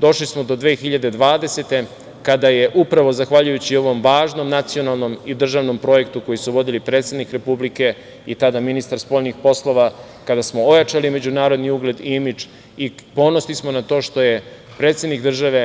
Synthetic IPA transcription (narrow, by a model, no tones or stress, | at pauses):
d̪o̞ʃlismo̞d̪o̞d̪ʋe̞ːxiʎad̪e̞d̪ʋaːd̪e̞se̞t̪e̞ | kad̪aje̞ʔupɾaʋo̞zaxʋaʎujut͡ɕio̞ʋo̞mʋaːʒno̞mnat̪sio̞nalˠno̞mid̪r̩ʒaʋno̞mpɾo̞je̞kt̪uko̞jisuʋo̞d̪ilipɾe̞ːt̪sʲe̞d̪nikɾe̞publike̞ | it̪ad̪aminist̪aɾspo̞ʎnixpo̞slˠo̞ʋa | kad̪asmo̞ojat͡ʃalime̞d͡ʑunaːɾo̞d̪niuɡle̞d̪imit͡ʃ | ipo̞no̞slismo̞nat̪o̞ːʃt̪o̞je̞ | pɾeːt̪sʲed̪nikd̪r̩ʒaʋe̞